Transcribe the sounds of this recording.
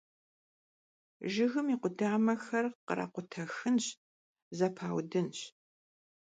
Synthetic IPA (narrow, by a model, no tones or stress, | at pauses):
ʒɪɣɨmiːqʷʊdaːmɐxɐrqəɾa̰qʷʊtʰɐxɨnɕ | zɐpʰaːwdɨnɕ